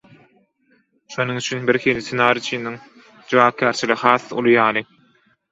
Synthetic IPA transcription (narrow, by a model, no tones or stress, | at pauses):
ʃonuŋyt͡ʃʰynbiɾxiːlʲisʰenɑːɾit͡ʃʰiniŋ | d͡ʒuwɑːp̚kʲʰæːɾt͡ʃʰilixɑːθːṵlˠujɑːlˠɯ